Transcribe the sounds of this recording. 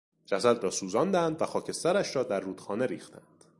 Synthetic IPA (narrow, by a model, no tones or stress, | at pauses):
d͡ʒæsæd̪ɾɒːsuːzɒːnd̪ænd̪væxɒːcʰe̞st̪æɾæʃɾɒːd̪æɾːuːd̪̥xɒːne̞ɾḭːxt̪ʰænd̪̥